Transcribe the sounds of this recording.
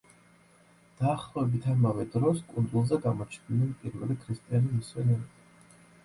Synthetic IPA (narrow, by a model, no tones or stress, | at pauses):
d̪̥aːχlˠɔɛbit̪ʰamavɛd̪ɾɔskʼund̪zulˠzɛɡamɔt͡ʃʰninɛnpʼiɾvɛ̰likʰɾist̪ʼianimiswɛnɛɾ